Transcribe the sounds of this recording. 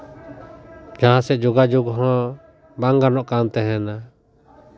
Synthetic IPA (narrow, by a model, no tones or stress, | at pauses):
d͡ʒãɦãsɛʔd͡ʒuɡad͡ʒuɡɦɔ̃ | baŋɡaɾnɔʔkant̪ɛɦɛna